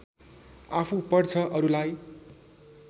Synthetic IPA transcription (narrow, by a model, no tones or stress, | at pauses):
apʰupʌrt͡sʰʌʔʌɾulaj